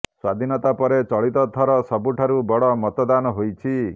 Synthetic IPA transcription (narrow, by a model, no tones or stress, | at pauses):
swad̪ʱinɔt̪apɔɾet͡ʃɔɭit̪ɔt̪ʰɔɾɔsɔbuʈʰaɾubɔɽɔmɔt̪ɔd̪anɔɦojt͡ʃʰi